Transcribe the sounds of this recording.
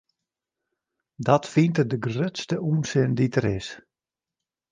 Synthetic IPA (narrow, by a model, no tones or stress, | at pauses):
dɔtfintədəɡrøtstəʔuːnsɪnditəɾɪs